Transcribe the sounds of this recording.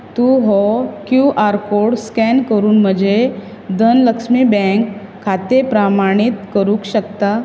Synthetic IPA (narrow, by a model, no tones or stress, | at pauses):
t̪uɦɔkjuʔaɾkoɽskɛnkəɾuːnm̤əd͡ʑe | d̪ʱənləkʂmibɛ̃ŋkʰː | at̪epɾamaɽ̃it̪kəɾũːkɕəkt̪a